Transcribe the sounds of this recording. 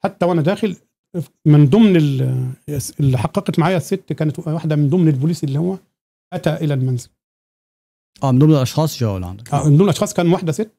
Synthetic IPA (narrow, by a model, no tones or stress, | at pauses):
ħat̪ːæwʔænæd̪æːxel | mɪnd̪ˤomnel | selːiħɑqːɑqɑt̪maʕaːjæsːet̪ːkæːnæt̪wwaħd̪æmɪnd̪omnelbʊluːsʔelːiːhowːæ | ʔæt̪æʔɪlælmænzɪl | ʔæːmend̪omnelʔɑʃxɑːsˤʒæːwo̰lʕa̰nd̪ækʔæmnd̪oːmnlʔɑʃxɑːsˤkæːnwaħd̪æset̪ː